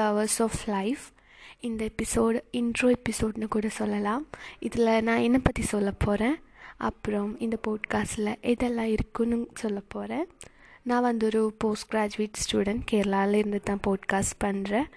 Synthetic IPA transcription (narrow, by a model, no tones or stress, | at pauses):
ɐɐʋɐɾsoːflɐɪf | ɪnd̪ɐɛpːɪsoːɖɪnɳɖɾoːɛpːɪsoːɖnɯkuːɽɐsɔlːɐlãːɪðɪlɐnãːɛnːɐpɐt̪ːisɔlːɐpʰoːɾẽːʔɐ̰pːɯɾɔ̃mɪnd̪ɐpoːɖkaːsʈɪlɐʔɛðɛlːãːɪɾɯkːʊnːɯsɔlːɐpːoːɾẽː | nãːʋɐnd̪ɔɾɯpoːsʈɡɾaːd͡ʒʊʋiːʈsʈuːɽɐɳʈkeːɾɐlaːlɪɾɯnd̪ɯt̪ːãːpoːɖkaːsʈpɐɳːɾẽː